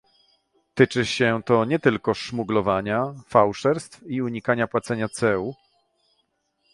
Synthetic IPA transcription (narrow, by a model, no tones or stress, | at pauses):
t̪ɘt͡ʂɘɕɛt̪ɔɲɛt̪ɘlkɔʂmuɡlɔvaɲafawʂɛɾst̪fiuɲikaɲapwat̪sɛɲat̪sɛu